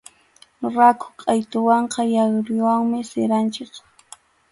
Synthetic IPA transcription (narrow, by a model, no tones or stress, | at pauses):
ɾakʰʊ̥qʼɑjt̪ʊwɑɴqɑjɑχɾɪwaŋmɪseɾant͡ʃɪk